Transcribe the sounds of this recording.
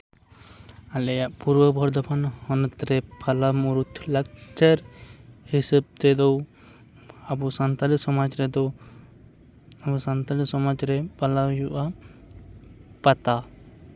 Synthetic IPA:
alɛjaʔpuɾbəbʱɔɾd̪ɔbanhɔnt̪ɾɛpʰalamuɾut̪ʰlak̚t͡ʃəɾhisəb̚t̪ɛd̪ɔw | abusant̪aliksɔmad͡ʒɾɛd̪ɔw | abusant̪alisɔmad͡ʒɾɛpalawjuʔa | pat̪a

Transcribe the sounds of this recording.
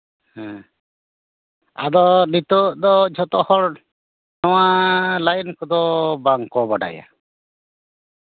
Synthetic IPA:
hɛ̃ | a̰d̪ɔnit̪ɔʔd̪ɔd͡ʒʱɔt̪ɔhɔɾ | nɔwalajnkɔd̪ɔbaŋkɔbaɖa̰ja̰

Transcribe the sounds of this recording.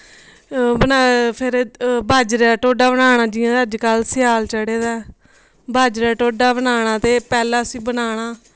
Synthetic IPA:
bənapʰɪɾbʱaːd͡ʒɾɛːʈoːɖaːbənaːɳ̃aːd͡ʒiãːəd͡ʒkəlsɪjaːlt͡ʃəɽeːd̪aː | baːd͡ʒɾaːʈoːɖaːbənaːɽ̃ãːt̪eːpɛːlãːsiːbənaːɽ̃aː

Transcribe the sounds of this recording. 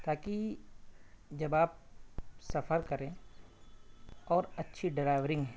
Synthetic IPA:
t̪aːki | d͡ʒɐbaːp̚sɐfəɾkɐɾẽ | ɔːɾɐtːʃʰiɖɪɾaːɪʋɾɪ̃ŋɡɦɛ

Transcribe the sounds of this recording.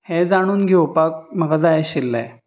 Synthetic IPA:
hed͡zaɽ̃uːnɡʱewpak̚məɡad͡zajeɕilːḛ

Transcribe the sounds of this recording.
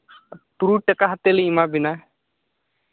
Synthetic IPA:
t̪uɾuʈəkaɦɐt̪eliimabina

